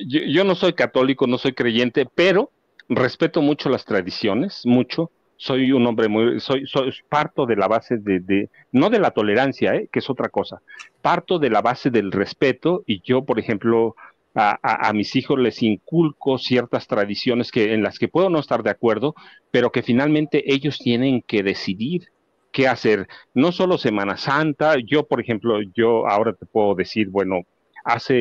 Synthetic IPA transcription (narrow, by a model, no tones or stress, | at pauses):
oʝo̞no̞so̞jkat̪o̞liko̞no̞so̞jkɾeʝe̞nt̪e̞pe̞ɾo̞ | re̞spe̞t̪o̞mut͡ʃo̞last̪ɾaðisjo̞ne̞smut͡ʃo̞ | so̞juno̞mbɾemujso̞jsojpaɾt̪o̞ðe̞laβase̞ðeðe | no̞ðe̞lat̪o̞le̞ɾansjaekeeso̞t̪ɾako̞sapaɾt̪o̞ðe̞laβase̞ðe̞lre̞spe̞t̪o̞iʝo̞po̞ɾexe̞mplo̞ | aa̰ʔa̰misixo̞zle̞siŋkulko̞sje̞ɾt̪ast̪ɾaðisjo̞ne̞skeːnlaske̞pwe̞ðo̞no̞est̪aɾðeakwe̞ɾðo̞ | pe̞ɾo̞ke̞finalmẽnt̪e̞ʔe̞ʝo̞st̪je̞nẽ̞ŋke̞ðe̞siðiɾ | ke̞ase̞ɾno̞so̞lo̞se̞mãnasant̪aʝo̞po̞ɾexe̞mplo̞ʝo̞a̰o̞ɾat̪e̞pwe̞ðoðe̞siɾbwe̞no̞ | a̰se